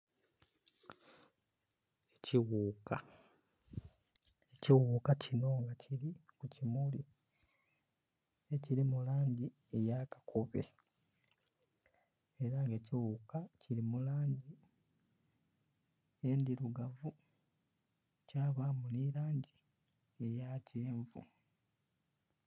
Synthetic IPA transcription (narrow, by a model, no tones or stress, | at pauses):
eciwuːka | eciwuːkacino̞ŋɡacʰiɾikucimuli | e̞ciɾimulaːɲɟi | e̞jakḁkʰoβḛ | e̞ɾaŋɡeːciwukaciɾimulaːɲɟi | endiɾuɡavu | caːβamuniɾaːɲɟi | e̞jaceːɱvṵ